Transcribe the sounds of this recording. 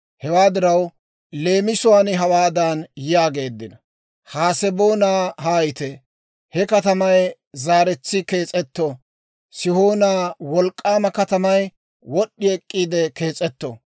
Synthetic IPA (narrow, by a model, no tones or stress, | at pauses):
hɛwaːd̪ɪɾɐw | le̞ːmɪsʊwaːnɪɦɐwaːd̪aːnjɪjaːɡe̞ːd̪ːɪnɐ | haːsɛbo̞ːnaːɦaːjɪt̪ɛ | hɛkɐt̪ɐmɐj | zaːɾɛt͡sːɪkeːt͡sʼɛt̪ːo | sɪho̞ːnaːwɔlkʼːaːmɐkɐt̪ɐmɐj | wɔɗːɪɛkʼːiːd̪ɛke̞ːt͡sʼɛt̪ːo̰